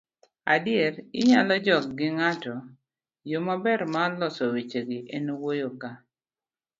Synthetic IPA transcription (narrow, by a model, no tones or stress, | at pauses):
adɪeɾɪɲalɔd͡ʒɔk̚ɡɪŋatɔ | jomabɛɾmalɔsɔwit͡ʃeɡiʔenwojoka